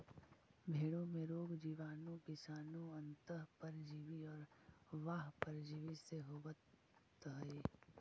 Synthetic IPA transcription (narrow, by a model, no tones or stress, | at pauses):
bʱeːɽõmẽɾoːɡd͡ʒiːʋaːnõkɪsaːnõɐ̃nt̪əɦpəɾd͡ʒiːʋiɔːɾʋaːɦpəɾd͡ʒiːʋiseɦobət̪ | ɦəe